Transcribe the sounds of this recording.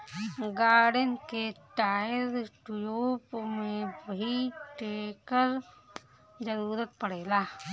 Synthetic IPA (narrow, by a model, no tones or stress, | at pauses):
ɡaːɽənkeʈaːɪɾʈjoːpmẽbɐɦiʈeːkəɾ | d͡ʒəɾuːɾət̪̚pəɽeːlaː